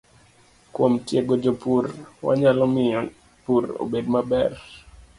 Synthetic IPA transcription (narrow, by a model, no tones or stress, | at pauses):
kwomtjeɡod͡ʒopurwa̰ɲalɔmɪɔ | puɾo̰bedmabɛr